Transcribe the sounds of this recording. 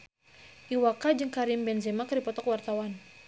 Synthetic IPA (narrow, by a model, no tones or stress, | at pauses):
ʔiwakad͡ʒɨŋkaɾimbɛnzɛmakɾipɔt̪ɔkwart̪awan